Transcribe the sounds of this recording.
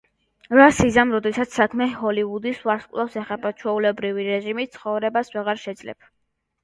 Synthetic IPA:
ɾasizamɾɔd̪ɛsat̪ssakʰmɛɦɔliud̪isvaɾskʼlˠafsɛχapʼat͡ʃʰwɛulɛbɾiviɾɛʒimit̪t̪sʰχɔvɾɛbasvɛʁaɾʃɛd̪z̥lɛ̰p̚ʰ

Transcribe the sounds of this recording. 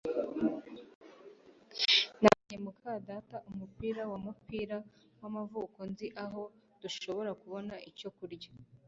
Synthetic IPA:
naɲemukʰaːdataʔumupiːɾawamupiːɾa | wamavuːko̞nziʔaɦo̞d̥uʃo̞βo̞ɾakuβo̞naʔico̞kuɾɟa

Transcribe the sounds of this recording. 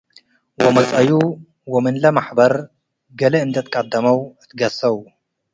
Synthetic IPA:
wɐmɐt͡sʼɐju | wɐmɨnlɐmaħbɐɾ | ɡɐlɐɨnd̪ɐt̪̚kʼɐd̪ːɐmɐwɨt̪ɡɐsɐw

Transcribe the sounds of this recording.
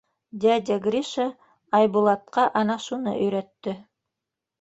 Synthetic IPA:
d̪ʲæd̪ʲaɡɾʲiʃə | ɑjbulˠɑt̪̚qɑʔɑnɑʃunɤ̰ʔɵ̆jɾæt̪ːɵ

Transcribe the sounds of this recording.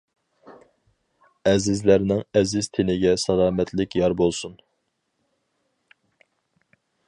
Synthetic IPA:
ɛzɪzlæɾnɪŋɛzɪzt̪ʰɪnɪɡʲɛsɑlˠɑːmɛt̪lɪkʲjɑɾbolˠsun

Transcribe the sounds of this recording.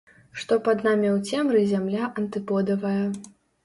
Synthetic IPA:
ʂt̪ɔpɐd̪namʲɛwt͡sʲɛmɾɨzʲamlʲaʔɐnt̪ɨpɔd̪ɐvɐjɐ

